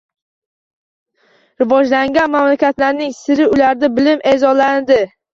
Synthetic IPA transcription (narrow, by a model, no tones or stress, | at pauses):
ɾɪvɒd͡ʒlaŋɡʲanmamlakʲat̪laɾnɪŋsɪɾɪʊlaɾd̪abɪlɪme̞zɒland̪ɪ